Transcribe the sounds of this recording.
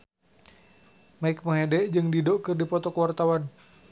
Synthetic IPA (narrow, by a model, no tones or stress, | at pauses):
maik̚moɦedɛʔd͡ʒɨŋdidoʔkɨrdipɔt̪ɔkəwart̪awan